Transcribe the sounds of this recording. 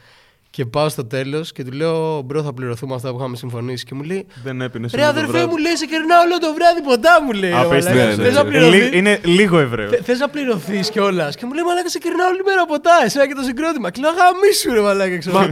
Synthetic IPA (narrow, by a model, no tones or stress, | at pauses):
ce̞pɐost̪o̞t̪e̞lo̞sce̞t̪ule̞obɾoθɐpliɾo̞θumeɐft̪ɐpuxɐmesiɱfo̞nisi̥ce̞mule̞jðenepinesɾeɐðelfemule̞iseceɾnɐoolot̪o̞vɾɐðipo̞nd̪ɐmulejovlɐeznɐpliɾoiiineliɣoevɾeoθeiznɐpliɾo̞θisceo̞lɐsce̞mule̞jimɐlɐkɐseceɾnɐolimeɾɐpo̞t̪ɐesenɐcet̪os̬iɡɾo̞t̪imɐkeleoɣɐmisuɾovɐlɐkɐkseɾ